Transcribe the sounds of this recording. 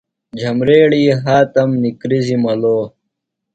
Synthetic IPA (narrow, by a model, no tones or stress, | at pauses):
d͡ʑʱɐmɾeːɽiːɦaːt̪ɐmnikɾizimɐloː